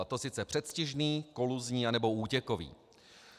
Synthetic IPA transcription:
t̪o̞sɪt̪t͡sɛpr̥ɛt̪scɪʒniːko̞luzɲiːanɛbo̞uːcɛkovḭː

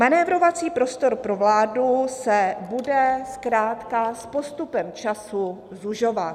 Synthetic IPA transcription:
manɛːvɾo̞vat͡siːpɾo̞st̪o̞ɾpɾo̞vlaːdusɛbudɛskɾaːt̪kaspo̞st̪upɛmt͡ʃasu | zuʒo̞vat̪

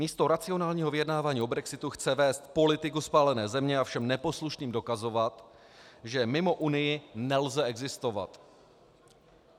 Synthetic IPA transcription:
miːst̪o̞ɾat͡sɪo̞naːlɲiːɦo̞vɪjɛdnaːvaːɲiːo̞bɾɛksɪt̪uxt͡sɛvɛːst̪po̞lɪt̪ɪkuspaːlɛnɛːzɛmɲɛafʃɛmnɛpo̞sluʃniːmdo̞kazo̞vat̪ | ʒɛmɪmo̞ʔunɪjɪnɛlzɛɛɡzɪst̪o̞va̰t̪

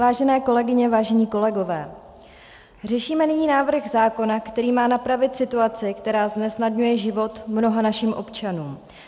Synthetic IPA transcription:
vaːʒɛnɛːko̞lɛɡɪɲɛvaːʒɛɲiːko̞lɛɡo̞vɛː | r̝ɛʃiːmɛnɪɲiːnaːvr̩ɣzaːko̞nakt̪ɛɾiːmaːnapɾavɪt̪sɪt̪uat͡sɪkt̪ɛɾaːznɛsnadɲujɛʒɪvo̞t̪mno̞ɦanaʃimʔo̞pt͡ʃanuːm

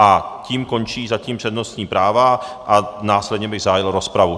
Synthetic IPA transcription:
ʔaciːmko̞nt͡ʃiːzaciːmpr̥ɛdnost̪ɲiːpɾaːva | ʔanaːslɛd̪ɲɛbɪɣzaɦajɪlɾospɾavu

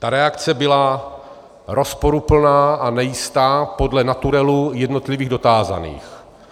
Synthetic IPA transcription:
t̪aɾɛakt͡sɛbɪla | ɾʔo̞spo̞ɾupl̩naːʔanɛjɪst̪aːpo̞dlɛnat̪uɾɛlujɛdno̞t̪lɪviːɣdo̞t̪aːza̰nḭːx

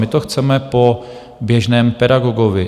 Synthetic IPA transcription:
ɪt̪oxt͡sɛmɛpo | bjɛʒnɛːmpɛdaɡoɡovɪ

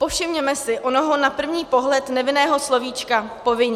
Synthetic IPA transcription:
po̞fʃɪmɲɛmɛsɪʔonoɦonapr̩vɲiːpo̞ɦlɛt̪nɛvɪnɛːɦo̞slo̞viːt͡ʃkapo̞vɪɲ

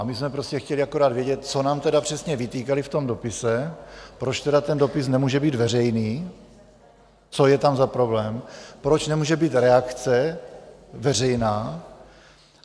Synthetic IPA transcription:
amɪsmɛpɾo̞scɛxcɛliako̞ɾaːd̪vjɛɟɛt̪̚t͡so̞naːmt̪ɛdapr̝̥ɛsɲɛvɪt̪iːkalɪft̪o̞mdo̞pɪsɛpɾo̞t͡ʃt̪ɛdat̪ɛndo̞pɪsnɛmuːʒɛbiːd̪vɛrɛjniː | t͡so̞jɛt̪amzapɾo̞blɛːmpɾot͡ʃnɛmuːʒɛbiːt̪ɾɛakt͡sɛ | vɛrɛjnaː

